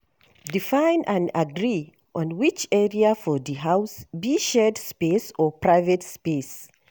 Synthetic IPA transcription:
difãɪ̃nãnaɡɹi | ʔɔ̃nwit͡ʃɛɹiafɔðiɦaʊsbiʃɛdspesɔpʰɹaɪvɛtspes

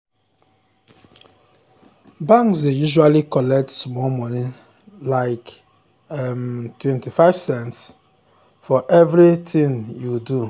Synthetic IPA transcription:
bãŋksdejuʒualikɔlɛk̚tsmɔlmɔ̃ni | laɪk | mtwɛ̃ntifaɪv̥sɛ̃nts | fɔʔɛvɾitʰĩŋjudu

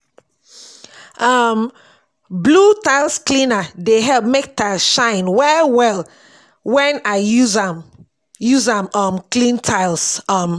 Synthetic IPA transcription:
ʔʌm | blutaɪlˠsklĩnadeɦɛlp̚mek̚taɪʃãɪ̃nwɛwɛl | wɛ̃naɪjuza | juzãmʌmklĩntʰaɪlsʌm

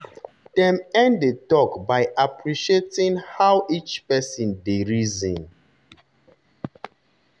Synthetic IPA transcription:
d̥ɛ̃mɛ̃nddetɔkbajʔapɹiʃietĩŋhawʔit͡ʃpɛsĩndeɹizə̃n

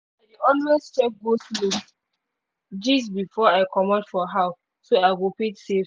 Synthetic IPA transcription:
aɪdiɔlɹɛst͡ʃɛk̚ɡoslo | d͡ʒis̬bifɔaɪkʰɔmɔ̃dfɔɦaʊ | soaɪɡopetsef

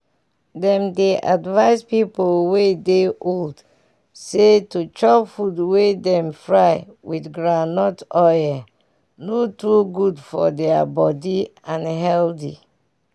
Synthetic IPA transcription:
dɛ̃mdeʔadvaɪspipolwedeʔold | setut͡ʃɔpfudwedɛ̃mfɹaɪwiθɡɹanɔtɔjɛ | notuɡudfɔ̰dɛabɔdiãnɦɛldḭ

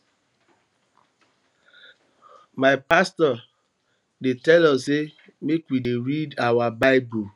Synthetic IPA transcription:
maɪpastɔ | detɛlɔse | mekwideɾidawabaɪbu

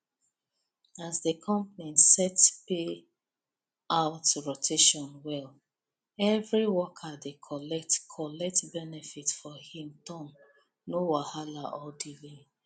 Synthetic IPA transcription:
azdəkʰɔ̃mpnĩsɛtpe | aʊtɹotʰeʃɔ̃nwɛl | ɛvɹiwɔkʰadekʰɔlɛk̚tkʰɔlɛk̚tbɛnɛfitfɔhĩmtɔ̃n | nowahalaʔɔdili

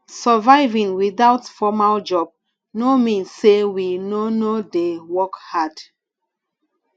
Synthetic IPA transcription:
səvaɪvĩŋwiðaʊtfɔmald͡ʒɔb̚ | nomĩnsːewinonodewɔkhad̥

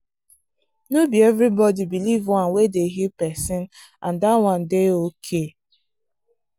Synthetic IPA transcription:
nobievɾibɔdibilivwʌ̃nwedeɦipɛsɪ̃n | ãndawʌ̃n̩deokʰe

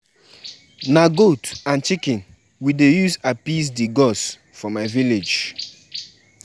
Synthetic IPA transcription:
naɡotãnt͡ʃikĩn | widejuzapis̬diɡɔs | fɔmaɪviled͡ʒ

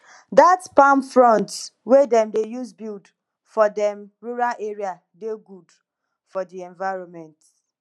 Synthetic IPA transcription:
datpãmpfɹɔ̃ntwedɛ̃mdejuzbild | fɔdɛ̃mɹuɹalʔeɹia | deɡud | fɔdiɛ̃nvaɪɹɔ̃nmɛ̃nt

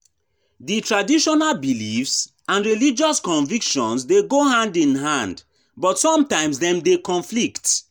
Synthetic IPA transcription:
ditɹadiʃɔnalbilifs | ãnɹilid͡ʒɔskɔ̃nvikʃɔ̰̃nsdeɡohãndĩnɦãnd | bɔtsɔ̃mtãɪ̃msdɛ̃mdekɔ̃nflikt

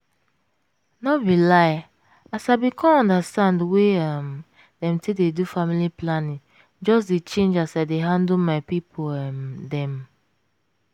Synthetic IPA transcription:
nɔbilaɪ | asaɪbikʰɔ̃nɔ̃ndastãndweam | dɛ̃mtʰededufamiliplanĩŋ | d͡ʒɔs̬det͡ʃẽnd͡ʒasaɪdeɦãndomaɪpipʰomdɛ̃m

